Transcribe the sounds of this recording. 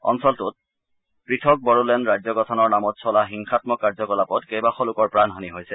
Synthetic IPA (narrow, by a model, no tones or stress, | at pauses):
ɔ̰nsɔltʊt̚ | pɹitʰɔk̚bɔɹulɛnɹazɔɡɔtʰɔnɔɹnamɔtsɔlaxiŋxatmɔkːaɹzɔkɔlapɔtkejbaxɔlʊkɔɹpɹanɦɔniɦojsɛ